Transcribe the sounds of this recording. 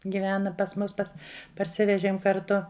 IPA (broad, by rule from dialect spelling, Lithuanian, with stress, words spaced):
ɡʲɪˈʋʲæːnɐ pɐs ˈmʊs ˈpɐs pɐrʲˈsʲɪʋʲɛʒʲiɛm kɐrˈtʊ